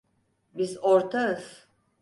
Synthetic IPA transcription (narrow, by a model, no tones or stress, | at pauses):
bizoɾt̪ʰaɯz̥